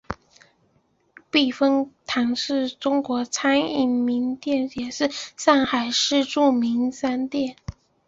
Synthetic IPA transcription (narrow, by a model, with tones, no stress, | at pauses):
pi˥˩fɤ˥ŋt̪ʰɑ˧˥ŋʂɻ̩˥˩ʈ͡ʂʊ˥ŋkwɔ˧˥t͡sʰa˥ni˥˩mi˧˥ŋt̪jɛ˥˩njɛ˨˩ʂɻ̩˥˧sɑ˥˩ŋxa˨˩ɪʂɻ̩˥˧ʈ͡ʂu˥˩mi˧˥ŋsa˥nt̪jɛ˥˩n